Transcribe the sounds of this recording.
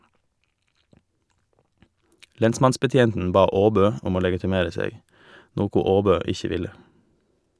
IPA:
ˈlɛnsmɑnsbəˌtjeːntn̩ ˈbɑː ˈoːbøː ˈʊm ˈoː lɛɡɪtɪˈmeːɾə ˈseːɡ ˈnoːkʊ ˈoːbøː ˈɪçə ˈʋɪlə

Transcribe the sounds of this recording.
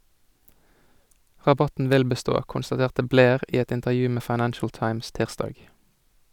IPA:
ʁɑˈbɑtn̩ ˈʋɪl bəˈstoː kʊnstɑˈteːʁtə ˈbleːʁ ˈiː ˈɛt ɪntəʁˈjʉː ˈmeː fɑɪˈnænʃəl ˈtɑɪms ˈtiːʁˌstɑːɡ

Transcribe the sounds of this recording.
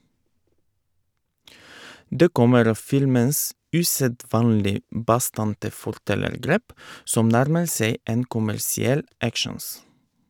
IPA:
ˈdeː ˈkɔməɾ ˈɑː ˈfɪlməns ˈʉːsəˌdʋɑːnlɪ ˈbɑˌstɑntə fɔɾˈtɛləɾˌɡɾeːp ˈsɔm ˈnæɾmə ˈseɪ ˈeːn kʊmæɾsɪˈɛl ˈækʃəns

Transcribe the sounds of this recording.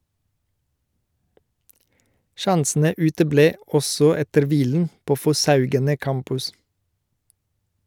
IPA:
ˈʃɑnsn̩ə ˈʉːtəˌbleː ˈɔsɔ ˈɛtəɾ ˈʋiːln̩ ˈpoː fɔˈsɑʉɡənə ˈkɑmpʉs

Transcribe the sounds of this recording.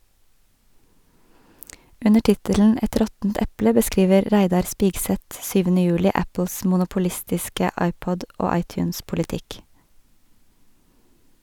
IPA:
ˈʉnə ˈʈɪtəln̩ ˈɛt ˈɾɔtn̩t ˈɛplə bəˈskiːʋəɾ ˈɾæɪdɑɾ ˈspiːɡsɛt ˈsyːʋənə ˈjʉːlɪ ˈæpl̩s mʊnʊpʊˈlɪstɪskə ˈɑɪˌpɔd ˈoː ˈɑɪˌtjʉːnspʊlɪˌtɪk

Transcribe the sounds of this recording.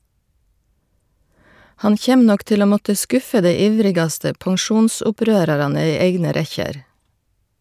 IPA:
ˈhɑn ˈçeːm ˈnɔk ˈtɪl ˈoː ˈmɔtə ˈskʊfə ˈdeɪ ˈiːʋɾɪɡɑstə pɑŋˈʃuːnsʊˌpɾøːɾɑɾɑnə ˈiː ˈeɪɡnə ˈɾɛçəɾ

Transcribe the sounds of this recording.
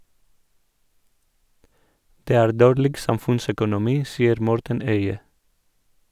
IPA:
ˈdeː ˈæːɾ ˈdoːɾlɪɡ ˈsɑmfʉnsœkʊnʊˌmiː ˈsiːəɾ ˈmɔɾtən ˈœʏə

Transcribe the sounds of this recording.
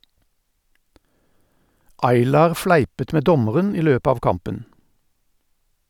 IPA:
ˈɑɪlɑːʁ ˈflæɪpət ˈʔmeː ˈdɔməʁən ˈiː ˈløːpə ˈɑːʋ ˈkɑmpən

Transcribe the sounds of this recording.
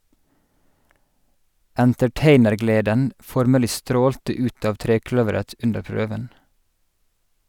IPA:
ʔæntɛˈʈeɪnəɾˌɡleːdən ˈfɔɾməlɪ ˈstɾoːltə ˈʉːt ˈɑːʋ ˈtɾeːˌklœʋəɾət ˈʔʉndəɹ ˈpɹøːʋən

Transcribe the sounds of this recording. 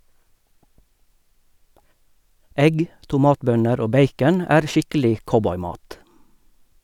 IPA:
ˈɛɡ tʊˈmɑːtˌbœnəɾ ˈoː ˈbeɪkən ˈæːʁ ˈʃɪkəlɪ ˈkɔbɔʏˌmɑːt

